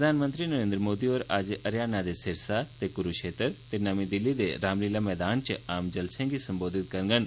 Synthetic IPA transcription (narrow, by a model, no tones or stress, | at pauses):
ɾəd̪ʱaːnmə̃nt̪ɾinəɾẽːnd̪ɾmoːd̪ioɾaːd͡ʒʔɐɾjaːnad̪esɪɾsat̪ekʊɾuʃeːt̪əɾt̪enamid̪ɪlːid̪eɾaːmliːlamɛːd̪aːnt͡ʃaːmd͡ʒɐlsẽɡisɐmboːd̪ɪt̪kɐɾŋɡən